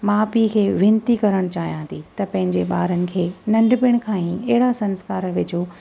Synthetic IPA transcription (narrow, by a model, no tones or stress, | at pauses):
maːpikʰeːʋɪ̃nt̪ikɐɾəɽ̃t͡ɕaːɦijãːt̪ʰit̪ɐpɐ̃ɦɪ̃ɲd͡ʑeɓaːɾənɪ̆kʰeːnɐ̃ɳɖpɪɽ̃kʰãːĩɛɦɪɽasɐ̃nskaːɾʋɪd͡ʑʱo